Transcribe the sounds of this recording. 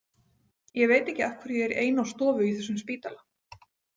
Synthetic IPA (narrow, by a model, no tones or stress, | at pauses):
jɛveːjt̪ɛhcːɪafkʰvʏɾjɛɛɾḛːjnawst̪ɔːvʏiθɛsːʏmspiːt̪ala